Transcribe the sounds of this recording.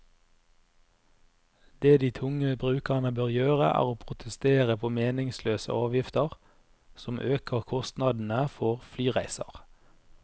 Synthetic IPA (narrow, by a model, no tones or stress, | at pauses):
d̪̥eːd̪iːt̪ʰʊŋəbʁʉːkəʁnəbøːʁjøːʁə̰ʔæ̰ːʁoːpʰʁʊt̪ʰəst̪eːʁəpʰoːmeːnɪŋsløːsə̰ʔɑːʋjɪft̪əʁ | sɔmʔøːkʰəʁkʰɔst̪nɑd̪n̩əfɔʁflyːʁæɪsɑ̰ʁ